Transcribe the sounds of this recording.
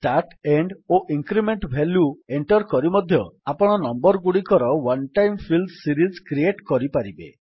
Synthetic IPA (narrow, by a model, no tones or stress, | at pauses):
taʈeɳɖoʔiŋkɾimeɳʈbʱeljueɳʈɔɾkɔɾimɔd̪ʱjɔapɔɽ̃ɔnɔmbɔɾɡuɽikɔɾɔwanʈajmpʰildsiɾizkɾieʈkɔɾipaɾibḛ